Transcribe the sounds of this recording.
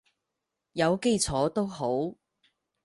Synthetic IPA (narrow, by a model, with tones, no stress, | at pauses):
jɐ˨˧wke˥jt͡sʰɔː˨˥t̪o˥wɦo˨˥w